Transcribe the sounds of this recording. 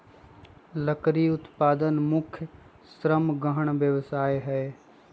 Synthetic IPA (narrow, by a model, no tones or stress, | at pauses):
ləkɾiʊt̪paːd̪ənmʊkʰjə | sɾəmɡəɦəɳ̃ʋjəʋsaːeɦɛe